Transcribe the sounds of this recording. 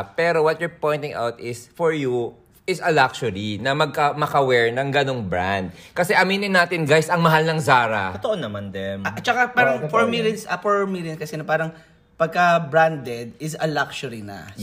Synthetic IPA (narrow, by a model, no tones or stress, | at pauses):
pɛːɾowɔt̪̚jʊɹpoj̃nt̪ɪŋʔa̰wt̪ɪsfɔɹju | ɪsɐlak̚ʃʊɹinɐmɐɡ̚kɐmɐkɐwɛɹnɐŋɡɐno̞ŋbɹã̰nd̪̚kɐsɛʔɐminɪnːaːt̪ɪnɡajsɐŋmɐɦalnɐŋzaːɾɐot̪oʔonːɐmand̪ɛmʔt͡ʃɐkapaːɾɐŋfɔɹmɪljonsʔɐfɔɹmiljonskɐsɛnɐpaːɾɐŋ | pɐɡ̚kɐbɹand̪ɛd̪̚ɪsɐlakʃʊɾinɐ̰